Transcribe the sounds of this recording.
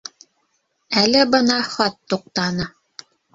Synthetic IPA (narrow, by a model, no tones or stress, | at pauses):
ælɘbɤnɑχɑt̪ːuq̚t̪ɑnɤ